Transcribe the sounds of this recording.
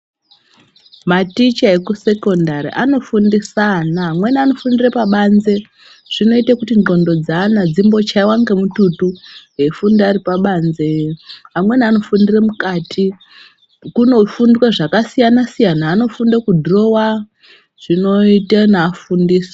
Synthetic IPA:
matit͡ʃae̞kuse̞ko̞ndaɾḭʔano̞fundisanaɦamwe̞niano̞fundirepaɓanze̞ | ʐ̥ino̞itakutiŋo̞ndo̞d͡zaːnad͡zimbo̞t͡ʃaiwaŋɡemututuɦe̞fundaripaɓanzeɦamwe̞niano̞fundiremukaːtʰi | kuno̞fundikweʐakasijanasijanaːno̞fundakudʱro̞wa | ʐ̥ino̞itenaːfundiːsḁ

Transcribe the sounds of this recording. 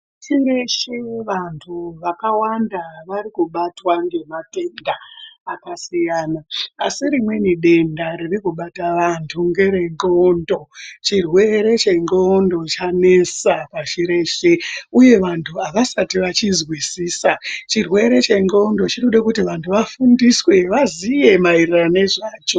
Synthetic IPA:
t͡ʃiɾeʃeʋantʰuʋakawandaʋaɾikuɓatwaŋɡe̞mate̞ndaːkasijaːnaːsiɾimwe̞niɗe̞ndaɾirikuɓataʋantʰuŋɡe̞ɾe̞ŋɡondo̞t͡ʃirwe̞ɾe̞t͡ʃe̞ŋɡo̞ndo̞t͡ʃane̞sapaʃiɾe̞ʃe̞uje̞ʋantʰuaʋasatiʋat͡ʃizwisiːsat͡ʃirwe̞ɾe̞t͡ʃe̞ŋɡo̞ndo̞t͡ʃinoɗakutiʋantʰuʋafundiswe̞ʋazije̞mairirane̞ʐaːt͡ʃo̞

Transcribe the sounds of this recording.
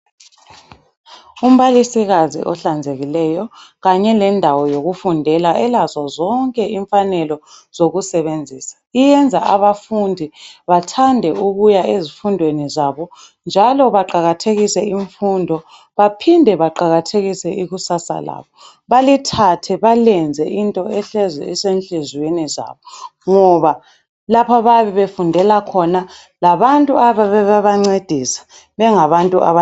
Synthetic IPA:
um̩βalisiɣazḭʔɔɬand͡zʱeɣilɛjɔɣaɲɛlɛndʱawɔjoɣufundʱɛlaʔɛlazwazɔŋkʼɛʔiɱfanɛlɔ | z̥oɣusɛβend͡zʱiːsḁijɛnd͡zʱaʔaβafundʱiβatʰandʱɛʔuɣujaezifundʱwenizaβɔ | nd͡ʒʱalɔβaǃaɣatʰeɣisɛiɱfundʱɔ | βapʰindʱɛβaǃaɣatʰeɣisɛʔiɣusasa̰la̰ːβɔ | βalitʰatʰɛβalɛnd͡zʱɛʔintʼɔɛɬɛzɛ̰ɛsenɬʼɛzweniza̰ːβɔŋɔβa | lapʰaβaβiβefundʱɛlakʰɔna | laβantʼuaβaβɛβaβaŋ͡ǀed̥ʱisḁ | βɛŋaβantʼuʔa̰βa

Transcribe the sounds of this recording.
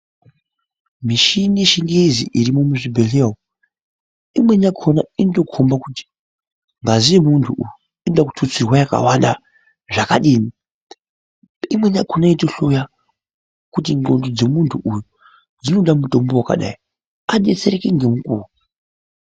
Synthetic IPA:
miʃiniʃiŋɡezḭʔiɾimumuʐibʱe̞ɬeːɦo | imwe̞ɲakʰo̞nainoto̞kʰombakuti̥ | ŋɡazijemuntʰuʔuju | inoɗaku̥tʰut͡sirwajaka̰wanɗa | ʐakaɗiːni | imwe̞ɲakʰonaitoɬo̞ja | kutinɡo̞ndod͡ze̞muntʰuʔuju | d͡zino̞ɗamuto̞mbo̞waka̰ɗa̰i | aɗe̞t͡se̞ɾe̞keŋɡe̞mukṵːru

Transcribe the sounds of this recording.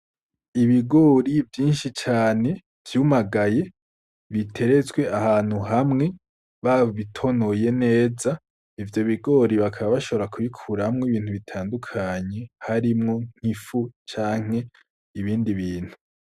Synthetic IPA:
iβiɡo̞ːɾivjiːnʃit͡ʃaːne̞ | v̥jumaɡaje̞ | βitʰe̞ɾe̞zɡwe̞ʔahaːn̥huɦamŋe̞ | βaβoβitʰo̞no̞je̞ne̞ːza | ivjo̞βiɡo̞ːɾiβakʰaβaβaʃo̞βoɾakʰuβikʰuɾahamŋeβiːn̥huβitʰaːndukʰaɲe̞haɾimŋo̞ŋ̥hifut͡ʃaːŋ̥e̞ | iβiːndiβiːn̥hu

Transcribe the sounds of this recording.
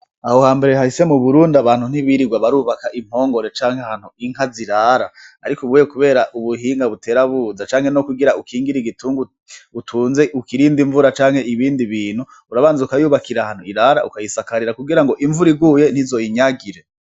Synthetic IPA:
ahohaːmbe̞ɾeɦahise̞muβuɾuːndaβaːn̥hun̥iβiɾiɡwaβaɾuːβakaʔim̥ho̞ːŋɡo̞ɾe̞t͡ʃaːŋhehaːn̥huiŋ̥ɦaziɾaɾaːɾikoβuːjekuβe̞ːɾaʔuβuɦiːŋɡaβute̞ɾaβuːzat͡ʃaːŋhenokuɡiɾaukʰiːŋɡiɾiɡituːŋɡu | utʰuːnzeukiɾiːndiɱvuɾat͡ʃaːŋhe̞iβiːndiβiːn̥hu | uɾaβaːnzaukajuːβakiɾahaːn̥huiɾaɾaʔukajisakaɾiɾakuɡiɾaŋɡo̞ʔiɱvuɾiɡuje̞n̥hizo̞jiɲaɡiɾe̞

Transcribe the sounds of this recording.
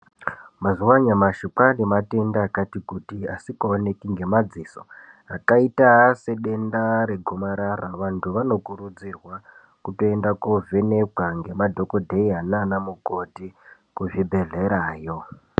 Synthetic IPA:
mazuwaɲamaʃipanemate̞ndaːkatikutiasikoone̞kiŋɡe̞mad͡ziso̰ | akaitase̞ɗe̞ndaɾe̞ɡʱomaɾaraʋantʰuʋano̞kuɾud͡zirwa | kuto̞e̞ndakovʱe̞ne̞kwaŋɡe̞madʱo̞ko̞dʱeiananamukoti | kuʐibʱe̞ɮe̞ɾaːjo̞

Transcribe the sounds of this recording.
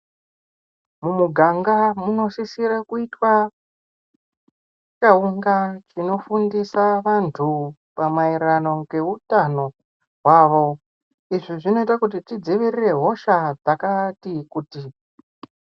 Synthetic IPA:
mumuɡʱaŋɡamuno̞ʃisiɾakuitwa | t͡ʃauŋɡat͡ʃino̞fundisaʋantʰu | pamaiɾano̞ɡe̞utano̞ | ɦwaʋo̞ | iʐiʐino̞itakut̬itid͡ziʋirire̞ɦo̞ʃad͡zakatikuːti

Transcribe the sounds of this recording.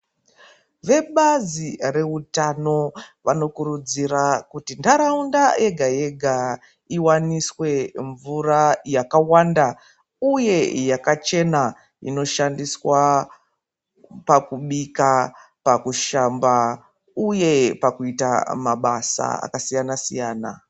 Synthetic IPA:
ʋe̞ɓazire̞utano̞ʋano̞kurud͡zirakutindaɾaundajʔe̞ɡʱaje̞ɡʱa | iwaniswe̞ɱvurajakawanda | uje̞jakat͡ʃe̞na | ḭno̞ʃandiswa | pakuɓika | pakuʃamba | uje̞pakuitamaɓasa̰a̰kasijanasijaːna̰

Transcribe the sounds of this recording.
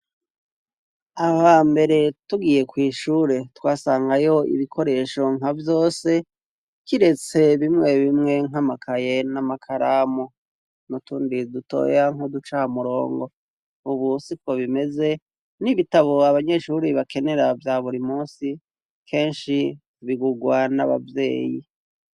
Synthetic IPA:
ahambe̞ɾe̞tuɡije̞kwiːʃuːɾe̞twaːsaːŋɡajo̞ḭβikʰo̞ɾe̞ːʃo̞ŋavjo̞ːse̞ | kiɾe̞t͡se̞βimŋe̞βimŋe̞ŋamakʰaje̞namakʰaɾamo | nutuːndiduto̞̰ːjaŋ̥hodut͡ʃamuɾo̞̰ːŋɡo̞ | uβusipko̞βime̞ze̞ | niβitaβo̞aβaɲe̞ʃuɾiβake̞ne̞ɾavjaːβuɾimuːsi | kʰe̞ːnʃi | βiɡuɡwana̰βa̰vje̞̰ːji

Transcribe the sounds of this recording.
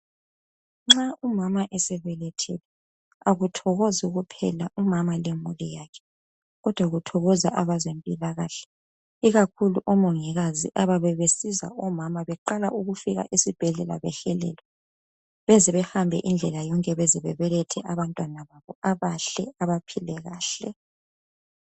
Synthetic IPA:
ŋ͡ǁaʔumamaʔesɛβɛlɛtʰɛ̰lɛ | aɣutʰɔɣozuɣupʰɛ̰laumamalemulijakʰɛ̥ | ɣɔd̥ʱwaɣutʰɔɣɔza̰ʔaβazempʼilaɣaːɬɛ̥ | iɣakʰuluʔɔmɔŋiɣaziʔaβaβɛβesiza̰ʔɔmamaβɛǃalaʔuɣufiɣa̰ʔisib̥ʱɛɮɛla̰βɛɬɛlɛ̰ːlɛ | βɛziβɛhambʱɛ̰ʔind͡ɮʱɛlajɔŋkʼɛβɛziβɛβɛlɛtʰɛʔaβantʼwanaβaβɔaβaɬɛaβapʰilɛɣaːɬɛ̰

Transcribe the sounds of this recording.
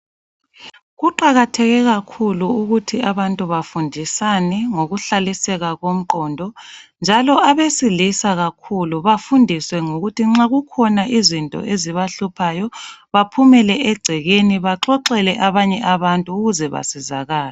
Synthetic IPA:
ɣuǃaɣatʰɛɣɛɣakʰuluuɣutʰiaβantʼuβafundʱisanɛŋoɣuɬalisɛɣaɣom̩ǃɔːndʱɔnd͡ʒʱalɔʔaβesilisaɣakʰuluβafundʱiswɛŋoɣutʰiŋ͡ǁaɣukʰɔnaʔizintʼɔ̰ʔeziβaɬupʰajɔβapʰumɛlɛʔɛɡ͡ǀʱɛɣeniβaǁɔǃɛlɛʔaβaɲɛʔaβantʼuːɣuzɛβa̰siza̰ɣaːla

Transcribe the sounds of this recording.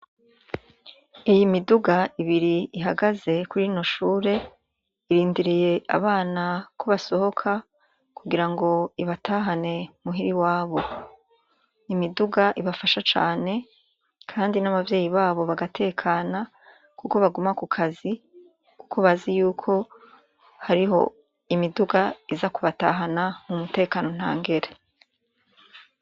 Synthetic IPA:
ijimiduɡaiβiɾiiɦaɡaze̞kuɾino̞ʃuːɾe̞ | iɾiːndiɾije̞a̰βaːnakʰoβaso̞ho̞kʰa | kuɡiɾaŋɡo̞iβatʰaːɦane̞muɦiɾiwaːβo̞ | imiduɡaʔiβafaʃat͡ʃa̰ːne̞ | kʰaːndinaβavje̞ːjiβaːβo̞βaɡatʰe̞ːkʰaːna | kuko̞βaɡumakukʰazi | kukʰoβazijuːkʰo̞ | haɾiɦo̞̰ | imiduɡaizakuβataɦanamumute̞ːkaːno̞n̥a̰ːŋɡe̞ɾe

